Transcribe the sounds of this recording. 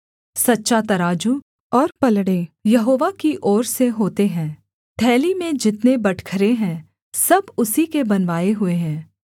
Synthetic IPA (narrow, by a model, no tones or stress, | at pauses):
sɐtːʃat̪ɐɾaːd͡ʒu | ɔːɾpɐlɽeːjɐɦoːʋakiʔɔːɾseɦoːt̪eɦɛ̃ː | ʈʰɛːlimẽd͡ʒɪt̪nebɐʈʰkʰəɾeɦɛ̃ː | sɐbʊsikebɐnʋaːeɦʊeɦɛ̃ː